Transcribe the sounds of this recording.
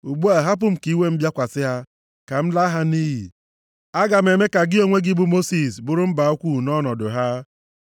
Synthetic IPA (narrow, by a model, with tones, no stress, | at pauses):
u˨ɡ͡bu˦a˨ɦa˦p̬ʊ˨m̩˨ki˦we˦m̩˦bja˦kʷa˨sɪ˦ɦa˦ | ka˨m̩˦la˦ɦa˦ni˦ɦḭ˨ | a˦ɡa˨m̩˨e˨me˦ka˨ɡɪ˦o˦ŋʷe˦ɡɪ˦bu˦mo˦si˨sbʊ˨ɾʊ˦m̩˦ba˨o˦kʷu˦˨nɔ˦nɔ˨dʊ˨ɦa˦